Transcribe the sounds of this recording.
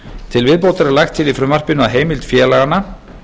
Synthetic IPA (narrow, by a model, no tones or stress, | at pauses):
t̪ʰɪlvɪðpowt̪aɾɛɾlajxt̪ʰːɪlifɾʏmːar̥pɪnʏaðɦeːjmɪlt̪fjɛːlaɣana